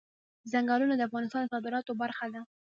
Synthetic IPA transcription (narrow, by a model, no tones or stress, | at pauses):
zaŋɡɑlunad̪əafɣɑnɪst̪ɑnd̪əsɑd̪ɪɾɑt̪obaɾxad̪a